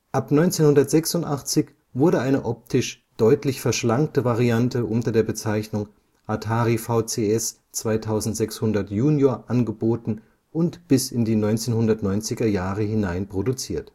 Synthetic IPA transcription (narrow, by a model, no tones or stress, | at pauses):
ʔapnɔʏnt͡seːnhʊndɐtz̥ɛksʊntʔaχt͡sɪç | vʊɐɾəʔaɪnəʔɔp̚tʰɪʃ | d̥ɔʏtlɪçfɛɐʃlaŋk̚təvaʁiantəʔʊntɐdeːɐbət͡saɪçnʊŋ | ʔatʰaːʁifaʊt͡seːɛs | t͡sv̥aɪtʰaʊzn̩tz̥ɛkshʊndɐtjuːnjoːɐʔanɡəboːtn̩ | ʔʊntb̥ɪsɪndiːnɔʏnt͡seːnhʊndɐtnɔʏnt͡sɪɡɐjaːʁəhɪnaɪnpʁ̥odut͡siːɐt